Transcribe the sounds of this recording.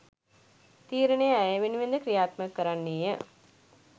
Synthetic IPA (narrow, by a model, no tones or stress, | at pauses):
t̪iːɾənejəæjəʋeniʋend̪əkɾijaːt̪məkːəɾanːiːjə